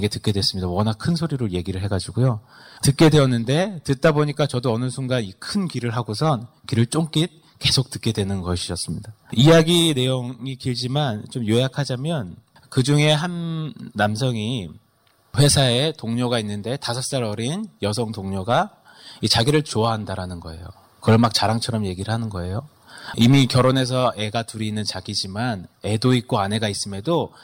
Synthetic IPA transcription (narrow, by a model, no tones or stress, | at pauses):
ɡe̞tɯk͈e̞dwe̞s͈ɯmɲidawʌnakʰɯnsʰoɾiɾoje̞ɡiɾɯɭɦe̞ɡad͡ʑiɡujotɯt̚k͈e̞dwe̞ʌnːɯnde̞tɯt̚t͈aboɲik͈at͡ɕʌdoʌnɯsʰuŋɡanikʰɯnkiɾɯɭɦaɡosʰʌnkiɾɯɭt͡ɕ͈oŋk͈it̚ | ke̞sʰok̚t͈ɯ̥k͈e̞dwe̞nɯnɡʌɕʰiʌs͈ɯmɲidaijaɡine̞joŋŋikiɭd͡ʑimant͡ɕomjojakʰad͡ʑamjʌn | kɯd͡ʑuŋe̞ɦanːamsʰʌŋi | ɸwe̞sʰaetoŋɲoɡainːɯnde̞tasʰʌs͈aɾʌɾinjʌsʰʌŋdoŋɲoɡa | it͡ɕaɡiɾɯɭt͡ɕoaɦandaɾanɯnɡʌe̞̰jo̰ | kɯɾʌnmak̚t͡ɕaɾaŋt͡ɕʰʌɾʌmje̞ɡiɾɯɭɦanɯnɡʌe̞jo | imikjʌɾone̞s̬ʰʌʔe̞ɡatuɾinːɯnt͡ɕaɡid͡ʑimane̞doit̚k͈oane̞ɡais͈ɯmedo